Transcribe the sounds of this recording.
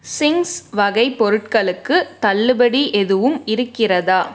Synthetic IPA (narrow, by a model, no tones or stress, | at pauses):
sɪŋsʋɐɣɐɪpːɔɾɯʈkɐɭɯkːɯt̪ɐlːɯbɐɽiʔɛðɯʋɯmɪɾɯkːɪrɐðaː